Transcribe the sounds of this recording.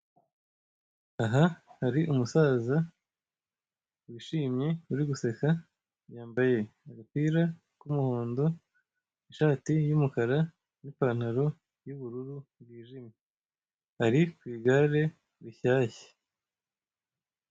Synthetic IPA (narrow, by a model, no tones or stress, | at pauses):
aɦahaɾiʔumusaːza | wiʃiːmɲe̞uɾiɡuse̞ka | βjaːmbaje̞aɡakwiːɾa | kumuhoːndo̞ | iʃaːtijumukaɾa | nipaːn̥haɾo̞ | juβuɾuɾuβwiːʒime | haɾikwiːɡaɾe̞ | βiçaːçe̥